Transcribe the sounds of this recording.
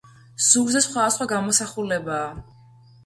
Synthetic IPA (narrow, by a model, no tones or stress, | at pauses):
z̥uɡzɛsχwad̪asχwaɡamɔsaχulɛbaː